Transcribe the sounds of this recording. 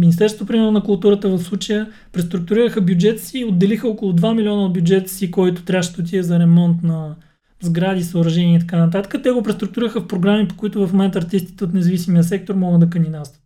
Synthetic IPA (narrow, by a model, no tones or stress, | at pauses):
minist̪ɛɾsot̪opɾimɛɾnonɐkʊlˠt̪uɾət̪əvɐfslˠut͡ʃəjə | pɾɛst̪ɾuk̚t̪uɾiɾəxəbjud͡ʒɛt̪siːod̪ːɛlixəɔkolˠʊd̪vamilʲiɔnəbʲjud͡ʒɛt̪sikɔjt̪ʊ̥t̪ɾʲaʃt̪oʊt̪̬ʲiəzɐɾɛmɔnt̪nɐ | zɡɾad̪isəʊɾɐʒɛniɛit̪ɐkanət̪at̪ə̥kət̪ɛɡopɾɛst̪ɾuk̚t̪ʊɾiɾəxəfpɾoɡɾamipo̥kʊit̪ʊvɐfmomɛnt̪ɐɾt̪ist̪i̥t̪ɛot̪nɛzɐvisimijəsɛk̚t̪oɾmɔɡəd̪d̪ɐkəninast̪və̥t̪